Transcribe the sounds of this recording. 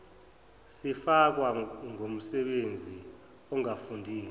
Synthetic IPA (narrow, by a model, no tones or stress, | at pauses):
sifak̬waŋom̩sɛɓend͡zʱi | ɔŋafundʱiːl